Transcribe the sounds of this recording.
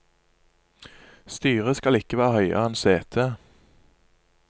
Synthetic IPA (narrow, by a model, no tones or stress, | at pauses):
st̪yːʁəskɑlɪkəʋæːʁhœʏə̰ʁɛnseːt̪ʰeː